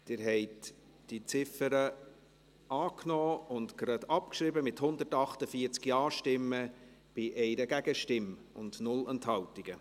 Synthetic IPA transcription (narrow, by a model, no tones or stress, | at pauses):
d̥ɪːɾɦɛɪt | d̥it͡sɪfəɾə | ɑːknɔːʊntɡ̥ɾɑd̪ɑp̚kʃɾɪbəmɪthʊnd̪ətɑχtəfiəɾt͡skjɑːʃtɪmːə | b̥ɪʔɛɪnəɡæɡəʃtɪm | ʊ̰ndnʊlɛnthɑwtiɡ̥ə